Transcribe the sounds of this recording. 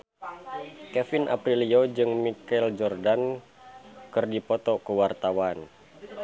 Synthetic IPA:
kɛfinʔa̰pɾiliod͡ʒɨŋmikɛld͡ʒɔrdan | kɨrdipɔt̪ɔkəwart̪awan

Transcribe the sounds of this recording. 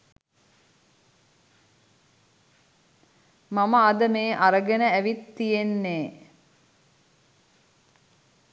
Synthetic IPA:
maməad̪əmeːʔaɾəɡənəæʋit̪ːijenːeː

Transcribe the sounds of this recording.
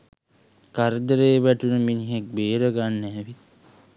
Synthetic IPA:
kaɾd̪əɾeːʋæʈunəminiɦek̚beːɾəɡanːæːʋi

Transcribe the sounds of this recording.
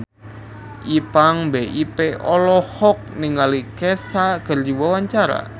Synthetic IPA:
ʔipaŋbeʔipeɔlɔhɔk̚niŋalikɛsakərd͡ʒiwawaɲt͡ʃaɾa̰

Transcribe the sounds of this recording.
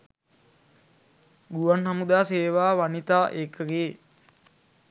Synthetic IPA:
ɡuʋanɦamud̪aːseːʋaːʋanit̪aːʔekəɡeː

